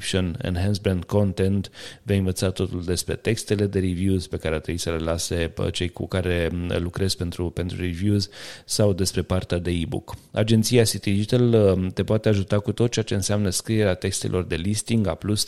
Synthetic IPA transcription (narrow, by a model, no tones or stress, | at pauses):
pʃionḛnɦansbɾend̪ko̞nt̪e̞nt̪vejɨnvət̪sat̪o̞t̪uld̪e̞spɾe̞t̪e̞kst̪e̞le̞d̪e̞ɾivjuzʲpe̞kaɾeat̪ɾejsəlelase̞t͡ʃe̞jkṵkaɾe̞lukɾe̞z̥pe̞nt̪ɾupe̞nt̪ɾuɾivjuzʲsawd̪e̞spɾe̞part̪ead̪e̞ibṵka̰d͡ʒe̞nt̪siasit̪id̪id͡ʒit̪əlt̪e̞poat̪e̞aʒut̪akut̪ot̪̚t͡ʃeat͡ʃe̞ɨnseamnəskɾie̞ɾeat̪e̞kst̪e̞̰lʔo̞rd̪e̞list̪iŋɡaplus